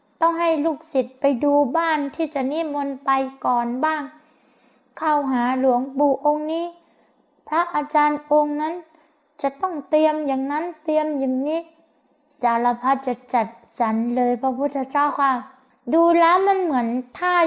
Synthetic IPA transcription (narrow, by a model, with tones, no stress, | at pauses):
t̪ɔ˥˩ŋɦa˥˩jluː˧˩k̚si˨˩t̪̚pa˧jduː˧baː˥˩nt̪ʰiː˧˩t͡ɕa˨˩niː˧˥˨mo˧npa˧jkɔː˨˩nbaː˥˩ŋ | kʰa˥˩wɦaː˩˦lu˨˩˦əŋbuː˨˩ʔo˧ŋniː˧˥˨ | pʰɾa˦˧˥ʔaː˧t͡ɕaː˧nʔo˧ŋna˦˥˨n | t͡ɕa˨˩t̪ɔ˥˩ŋt̪i˧əmja˨˩ŋna˦˥˨nt̪i˧əmja˨˩ŋniː˧˥˩ | saː˨˦la˧pʰa˦˥t̪̚t͡ɕa˨˩t͡ɕa˨˩t̪̚ | t͡ɕa˨˦nlɤː˧jpʰa˧˥pʰu˦˥˩t̪ʰːa˧t͡ɕaː˥˩wkʰaː˧˥˩ | duː˧laː˧˥ma˧˥˨nmɯ˩˦ənt̪ʰaː˧˥˩